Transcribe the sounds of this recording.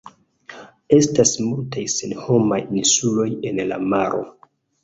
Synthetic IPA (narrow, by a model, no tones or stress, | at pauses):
e̞stasmultajse̞nho̞majinsulo̞je̞nla̰maɾʔo̞̰